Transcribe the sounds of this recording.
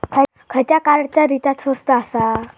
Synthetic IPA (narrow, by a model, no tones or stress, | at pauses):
kʰə | kʰət͡ɕjakaɾɽt͡ɕjaɾit̪at̪səst̪əːsa